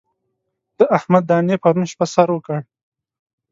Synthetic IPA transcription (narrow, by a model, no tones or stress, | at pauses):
d̪̥əʔahmad̪ːɑnepaɾunʃpasaɾwəkəɽ